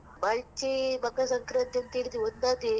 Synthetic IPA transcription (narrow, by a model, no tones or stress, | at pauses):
mɐɭt͡ʃimɐkːɐsɐŋkɾɐnt̪ɐnt̪iːɽit̪iond̪ad̪i